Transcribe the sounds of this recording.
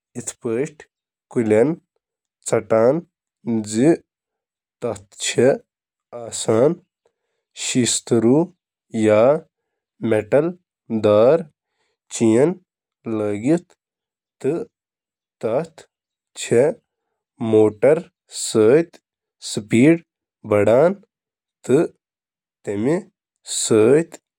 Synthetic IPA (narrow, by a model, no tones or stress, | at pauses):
it̪ʰpəːʃʈʰ | kulʲɐn | t͡sɐʈaːn | d͡zi | t̪ɐt̪ʰt͡ʃʰe | aːsaːn | ʃist̪ɾu | jaː | meʈɐl | d̪aːɾ | t͡ʃijɐn | ləːɡit̪ | t̪ɨ | t̪ɐt̪ʰ | t͡ʃʰe | moːʈɐɾ | səːjt̪ | sɨpiːɖ | bɐɽaːn | t̪ɨ | t̪emi | səːt̪